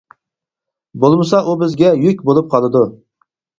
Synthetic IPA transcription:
bolˠmɨsɑʔubɪzɡʲɛjykʲbolˠup̚qʰɑlˠɨd̪u

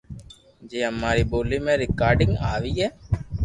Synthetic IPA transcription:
d͡ʒeːɦəmːaːɾiːboːliːmẽːɾɪkaːɾɖɪ̃ŋɡaːʋiːɦɛː

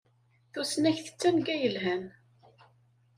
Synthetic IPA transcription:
θusnæçθə̥t͡sːænɡæjəlɦæn

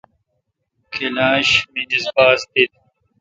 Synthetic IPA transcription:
kʰelaːɕminisbaːst̪it̪̚

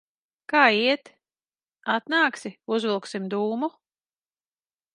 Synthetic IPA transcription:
kaːiɛt̪ | at̪naːksiuzvilˠksimd̪uːmu

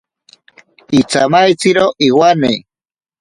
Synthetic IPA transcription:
it͡samajt͡siɾoʔiwane

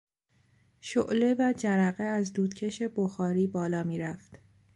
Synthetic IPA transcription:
ʃo̰ʔle̞væd͡ʒæɾæɣeæzd̪uːd̪cʰe̞ʃe̞boxɒːɾiːbɒːlɒːmiːɾæft̪

